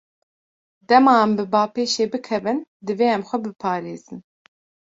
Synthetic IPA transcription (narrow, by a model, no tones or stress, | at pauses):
d̪ɛmɑːɛmbɨbɑːpʰeːʃeːbɨkʰɛvɨnd̪ɨveːɛmxʷɛbɨpʰɑːɾeːzɨn